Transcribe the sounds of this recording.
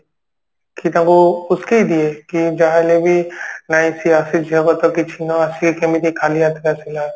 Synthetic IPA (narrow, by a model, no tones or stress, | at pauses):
kit̪ãkoʊskeid̪iekid͡ʒaɦelebʱinaĩsiasid͡ʒʱiakɔt̪ɔkit͡ʃʰinɔasikẽmit̪ikʰaliat̪kasila